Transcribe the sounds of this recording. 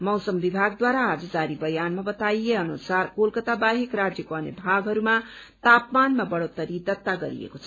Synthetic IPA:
mʌwsʌmbibʱaɡd̪waɾaːd͡zʌd͡zaɾibʌjanmabʌt̪ajeʌnusarkolkʌt̪abaɦekrad͡zjʌkoʌnebʱaɡɦʌɾuma | t̪apmanmabʌɽot̪ʌɾid̪ʌt̪ːaɡʌɾḭḛkot͡sʰʌ

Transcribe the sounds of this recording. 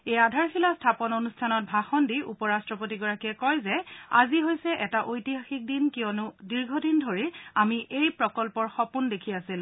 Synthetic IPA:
ejadʱaɹxilastʰapɔnonustʰanɔt̚bʱaxɔndiʔupɔɹastɹɔpot̬iɡɔɹakiɛkɔjzɛa̰ziɦojsɛʔɛtaʔojtiɦaxik̚dinkijɔnʊdiɹɡʱɔdindʱoɹiamiʔejpɹɔkɔlpɔɹxɔpundekʰiasil

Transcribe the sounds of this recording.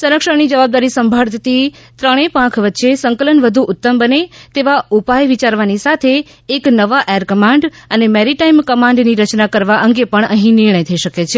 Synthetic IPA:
səɾəkʃəɾnid͡ʒəʋab̚d̪aɾisəmbʱaɭt̪ʰət̪i | t̪ɾəɽ̃epãkʰʋət̪ːʃesə̃ŋkələnʋəd̪ʱuʔʊt̪ːəmbənet̪eʋaupajʋit͡ʃaɾʋanisat̪ʰeː | knəʋaʔejəɾkəmãɳɖənemɛɾiʈaimkəmãɳɖniɾət͡ʃnakəɾʋaʔəŋɡepəɳ̃əɦĩnɪɾɳ̃əjt̪ʰəiʃəket͡ʃʰe

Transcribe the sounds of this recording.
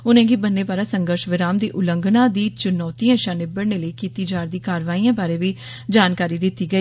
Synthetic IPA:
ʊnẽːɡiːbənːeːbaːɾaːsəŋɡəɾʃʋɪɾaːmd̪eːʔʊləŋɡnãːd̪iːt͡ʃʊnɔːt̪iːãːʃãːnɪbəɽneːləiːkiːt̪iːd͡ʒaːɾd̪iːkaːɾʋaːiːãːbaːɾeːʋiː | d͡ʒaːnkaːɾiːd̪ɪt̪ːiːɡəiː

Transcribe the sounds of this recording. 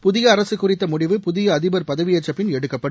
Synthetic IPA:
pʊðɪɣɐːɾɐsɯkːʊrɪt̪ːɐmʊɽɪʋɯpʊðɪjɐːðɪbɐɾpɐðɐʋɪjɐt͡ʃːɐpːɪnɛɽɯkːɐpːɐɽɯ

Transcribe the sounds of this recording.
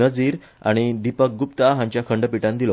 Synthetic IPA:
əd͡ziːɾ | a̰ɽ̃id̪ipək̚ɡupt̪aɦãɲt͡ɕjakʰəɳɖəpiʈãnd̪ilo

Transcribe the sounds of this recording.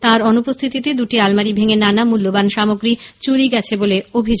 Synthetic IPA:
t̪ãɾɔnupost̪ʰit̪it̪ed̪uʈialmaɾibʱeŋenanamulːobanʃamoɡɾit͡ɕuɾiɡɛt͡ɕʰeboleobʱid͡ʑo

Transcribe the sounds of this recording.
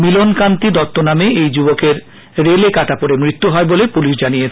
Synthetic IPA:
milonkant̪id̪ɔt̪ːonameʔejd͡ʑubokeɾ | ɾelekaʈapoɾemɾit̪ːuɦɔebolepuliʃ̬d͡ʑanijet͡ɕʰe

